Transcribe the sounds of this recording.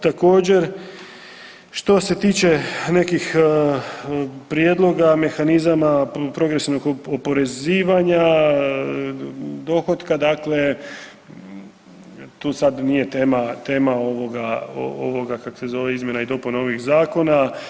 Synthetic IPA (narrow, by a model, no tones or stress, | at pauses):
t̪ako̞ːd͡ʑe̞ɾ | ʃt̪o̞se̞t̪iːt͡ɕe̞ne̞kix | pɾijed̪lˠo̞ɡame̞xanizamapɾo̞ɡɾesiʋnoɡopo̞ɾe̞ziːʋaɲa | d̪o̞xo̞t̪kad̪akle̞ | t̪uːsad̪nije̞t̪e̞ːmat̪eːmao̞ʋo̞ɡao̰o̰ʋo̞ɡakako̥se̞zo̞ʋeizmjenaid̪o̞punao̞ʋixzaːko̞na